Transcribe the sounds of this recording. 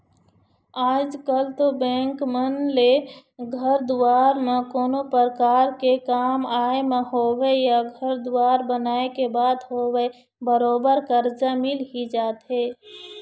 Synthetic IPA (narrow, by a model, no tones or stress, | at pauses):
aːd͡ʒkəlt̪obɛ̃ŋkmənleɡʱəɾd̪ʊwaːɾmẽkoːnopəɾkaːɾkekaːmaːemẽɦoːwejaɡʱəɾd̪ʊwaːɾbənaːekebaːd̪ɦoːwe | bəɾoːbəɾkəɾd͡ʒamɪlɦid͡ʒaːt̪ɦeː